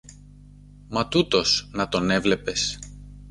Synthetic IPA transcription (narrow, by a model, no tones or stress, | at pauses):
mɐt̪ut̪o̞snɐt̪o̞ne̞vle̞pe̞s